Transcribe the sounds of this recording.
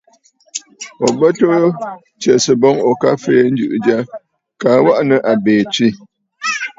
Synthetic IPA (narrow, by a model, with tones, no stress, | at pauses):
ɔ˨bə˦to˦ | t͡ʃɛ˨sə˨bɔ˦ŋɔ˨ka˦feː˦n̩˦d͡ʒʉ̰˨ʔd͡ʒa˦ | ka˨wa˦ʔnə˨ʔa˨beː˨t͡ʃi˦˨